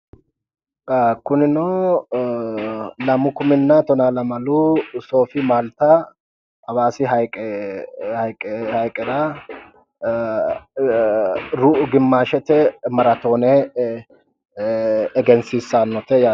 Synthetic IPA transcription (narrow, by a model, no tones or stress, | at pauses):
kʊnɪno | lɐmʊkʊmɪnːɐt̪ɔnaːlɐmɐluːso̞ːfɪmaːlt̪ɐ | ɐβaːsɪɦɐjkʼɛhɐjkʼɛhɐjkʼːɛɾa | ɾuːʔʊɡɪmːaːʃɛt̪ɛmɐɾɐt̪o̞ːnɛ | ɡɛnsiːsːaːnːɔt̪ɛja